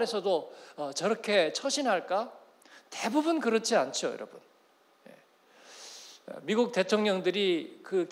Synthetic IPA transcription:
ɾesʰʌdoʌt͡ɕʌɾʌkʰe̞t͡ɕʰʌɕʰinɦaɭk͈a | te̞bubunkɯɾʌt͡ɕʰiant͡ɕʰiojʌ̰ɾʌ̰bun | je̞̰ | miɡuk̚te̞tʰoŋɲʌŋdɯɾikɯk

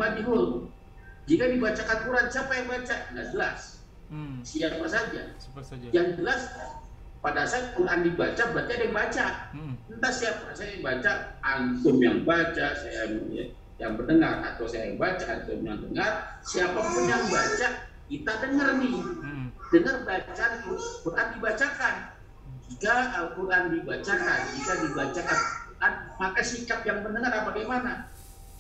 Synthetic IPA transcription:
adiɦʊl | d͡ʒikadibat͡ʃakakuɾansiapajaŋbat͡ʃanad͡ʒəla̰s | siapasad͡ʒajaŋd͡ʒəlas | padasat̪̚kulandibat͡ʃabat͡ʃadɛbat͡ʃaənt̪asiapasajabat͡ʃaːnt̪ʊmjaŋbat͡ʃasajama | jaŋbəndəŋarʔa̰t̪awsajajabat͡ʃaʔant̪ʊmjaŋdəŋarsiapapʊnjaŋbat͡ʃaʔ | kit̪adəŋərnɪ | dəŋərbat͡ʃat̪ukurʔandibat͡ʃakan | d͡ʒikaəkuɾʔandibat͡ʃakand͡ʒikadibat͡ʃakankurʔanmakasikap̚jaŋbənəŋarabaɡajmana

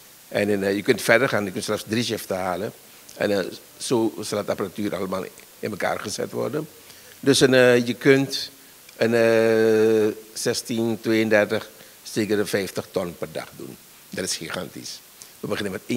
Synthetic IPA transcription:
ʔɛnjəkɵntfɛɹdərχaːnjəkɵntsɛfsdriʃɪftəhaːlə | ɛ̰n | soːsɑlˠətapəratyːɾʔaləmaːl | ɪnməka̰ːrχəzɛ̰tʋɔ̰rdən | døsənjəkønt | ənə | sɛstintʋeːəndɛrtəχ | seːkərəfɛjftəχtɔnpɛrdɑ̰χdṵn | dɑtɪ̥sχiχantḭs | ʋəbəχɪnəmɛtː

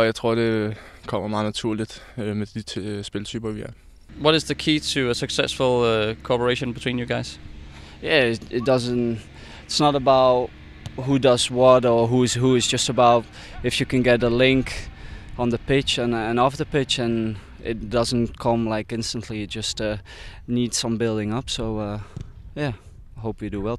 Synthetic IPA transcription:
jaɪt͡sʰʁoɐ̰dekʰɔm̰ɐmɑ̈ːnæt͡sʰuɐ̰lid̥med̥isb̥elt͡sʰyːb̥ɐʋia̰ | wʌɾɨzðəkʰiːtʰəəsəksɛsfəl̩ˠkʰoɔpə˞eʃə̃nbɪtʰĩːnjəɡaɪz̥ | jæɪɪt̚d̥ʌzə̃n | ɪtsnəɾəbaʊt | ɦudʌzwʌɾə˞ɦuɨz̥ɦuɨzd͡ʒʌstəbaʊt | ɨfjɨkɨ̃nɡɛt̪əlɪ̃ŋkə̃nðəpɪt͡ʃə̃nə̃nɔfðəpɪt͡ʃɨ̃n | ɪ̰t̚ⁿd̥ʌzə̃n̩kʰʌ̃mlaɪkɪ̃nstə̃n̩ʔliɨt̚d̥ʒ̥ʌstʌ | nidz̥sʌ̃mbɪlˠdɪ̃ŋʌpsoʊʌjæ | aɪɦoʊpjɨdəwɛlˠ

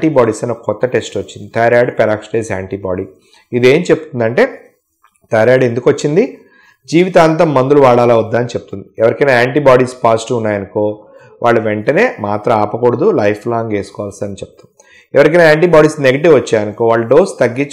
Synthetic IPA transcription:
ʈiːbaːɽiːsɐnokːɐkɔt̪ːɐʈe̞sʈʋot͡ʃːind̪it̪ʰɐjɾaːɖpɛɾaːksʈeːsaːɳʈiːbaːɽiː | id̪e̞ːmt͡ʃe̞pːut̪und̪ɐɳʈe̞ː | t̪ʰɐjɾjaːɖe̞nd̪ukʋɐt͡ʃːind̪i | d͡ʒiːʋit̪aːnt̪ɐmːɐnd̪uluʋaːɽaːlaːud̪ːaːnit͡ʃepu̥t̪und̪iɛʋɐɾikɐnaaːɳʈiːbaːɽiːspaːsʈuunːaːjɐniko̞ː | ʋʔaːɭːɐʋeɳʈɐne̞ːmaːt̪ɾɐaːpɐkoɽɐd̪ulɐjpʰlaːŋɡe̞ːsu̥kɔːʋaːlsiɐnit͡ʃepu̥t̪u̥m | ɛʋɐɾik̬ɐnaːaːɳʈiːbaːɽiːsneɡɐʈiʋʋɐt͡ʃːaːjɐnikoːʋaːɭːɐɖo̞ːst̪ɐɡːit͡ʃ

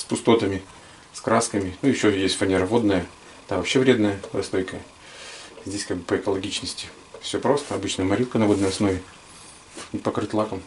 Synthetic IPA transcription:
spʊst̪o̞t̪əmʲɪ | skɾaskəmʲɪnujɪɕːojesʲtʲfɐnʲeɾəvo̞d̪nəjə | t̪avɐpɕːevɾʲed̪nəjəɾɐ̰st̪o̞jkəjə | zʲdʲesʲkaɡ̚bɨpəɪkəlˠɐɡʲit͡ɕnəsʲtʲɪ | fsʲopɾo̞st̪əɐbɨt͡ɕnəjəmɐɾʲilˠkənɐvo̞d̪nəjɐsno̞vʲɪ | nʲpɐkɾɨt̪ʲlˠakəm

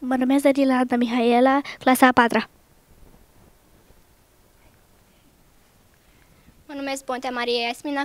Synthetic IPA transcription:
mənəmazaɾilad̪amiɦaelaklasapat̪ɾa | mənumes̚bõnt̪ʲamaɾiejasmina

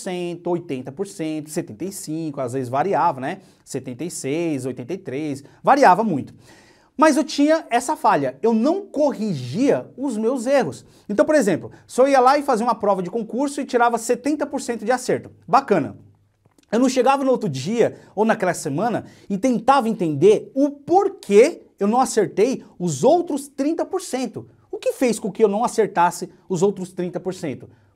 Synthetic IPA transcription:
sẽt̪ʊojt̪ẽnt̪ɐpoɾsẽt̪ʊ̥set̪ẽnt̪ejsĩkʊazvezɪzvaɾiavɐnɛ | set̪ẽnt̪ejsejzojt̪ẽnt̪ejt̪ɾejsvaɾiavɐmũj̃t̪ʊ̥ | mɐzewt͡ʃĩɲɐɛsɐfaʎɐewnɐ̃w̃koɦiʒiɐʊzmewzeɦʊs | ẽnt̪ɐ̃w̃p̬oɾezẽmplʊsɔiɐlaɪfaziɐũmɐpɾɔvɐd͡ʒɪkõkuɾsʊɪt͡ʃiɾavɐset̪ẽnt̪ɐpoɾsẽnt̪ʊd͡ʒɪaseɾt̪ʊ̥bakɐ̃nɐ̰ | ewnɐ̃w̃ʃeɡavɐnʊowt̪ɾʊd͡ʒiɐownakɛlɐsemɐ̃nɐ | ɪt̪ẽnt̪avɐẽnt̪ẽnd̪eɾʊpoɾkʰe | ewnɐ̃w̃aseɾt̪ejʊzowt̪ɾʊst̪ɾĩnt̪ɐpoɾsẽnt̪ʊ | ʊkɪfejskõkɪewnɐ̃w̃aseɾt̪asɪ | ʊzowt̪ɾʊst̪ɾĩnt̪ɐpoɾsẽnt̪ʊ̥

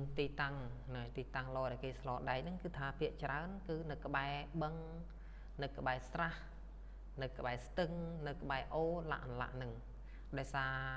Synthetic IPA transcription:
nt̪iːt̪aŋnat̪iːt̪aŋlɔːɗaɔɛkeːslɑːlɗaɛj̚nɨŋkɨːt̪ʰaːpʰiəʔt͡ɕraənkɨːnɨwkə̆ɓaɛɓəŋ | nɨwkə̆ɓaɛsrah | nɨwkə̆ɓaɛst̪ɨŋnɨwkə̆ɓaɛʔoːla̰ʔnla̰ʔnɨŋ | ɗaɔjsaː

